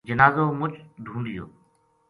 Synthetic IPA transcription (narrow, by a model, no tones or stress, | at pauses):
d͡ʒənaːzoːmʊt͡ʃɖ̪ʱũːnd̪ɪjo̰ː